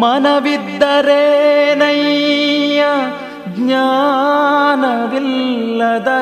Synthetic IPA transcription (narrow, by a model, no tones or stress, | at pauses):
mɐnɐʋid̪ːɐɾeːnɐj | ɐ | ɡɲaː | nɐʋilːɐd̪ɐ